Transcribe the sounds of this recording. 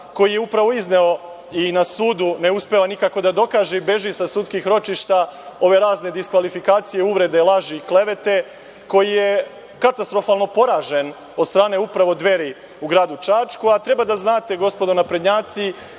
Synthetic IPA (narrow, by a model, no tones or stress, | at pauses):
ko̞jijeupɾaʋo̞izne̞o̞ | inasuːd̪une̞uspeanikako̞d̪ad̪o̞kaːʒebe̞ʒisasut̪skixɾo̞t͡ʃiʃt̪ao̞ʋe̞ɾaːzne̞d̪iskʋalifikaːt̪sijeuʋɾe̞d̪e̞lˠaʒiikle̞ʋe̞t̪e̞ | ko̞jije | kat̪ast̪ɾo̞faːlˠno̞po̞ɾaːʒe̞n | od̪st̪ɾaːne̞upɾaʋo̞d̪ʋe̞ɾi | uɡɾaːd̪ut͡ʃaːt͡ʃkuat̪ɾe̞bad̪aznaːt̪e̞ɡo̞spo̞d̪onapɾed̪ɲaːt̪si